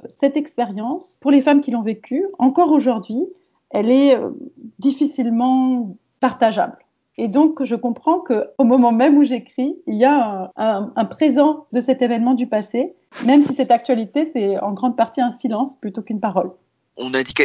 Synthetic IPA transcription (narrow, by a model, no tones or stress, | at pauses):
sɛt̪ɛkspeʁjɑ̃spuʁlefamkʲilɔ̃vekʲʰyɑ̃kɔʁoʒuʁd̪ɥi | ɛlɛø̰d̪ifisilmɑ̃ | paʁt̪aʒa̰bl | ed̪ɔ̃kʒəkɔ̃pχɑ̃kəomɔmɑ̃mɛmuʒekχiːljaɛ̃ɛ̃ɛ̃pχezɑ̃d̪əsɛt̪evɛnmɑ̃d̪ypase | mɛmsisɛt̪ak̚t̪ɥalit̪esɛɑ̃ɡʁɑ̃d̪̚paʁt̪iɛ̃silɑ̃splyt̪okynpaʁɔl | ɔ̰̃nɛ̃d̪ik